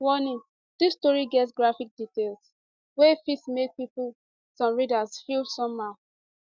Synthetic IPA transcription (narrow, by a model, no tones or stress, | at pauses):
wɔnĩn | d̥istɔɹiɡɛtsɡɹafik̚ditelˠs | wefitsmek̚pipul | sɔ̃mɹidazfilsɔ̃mːa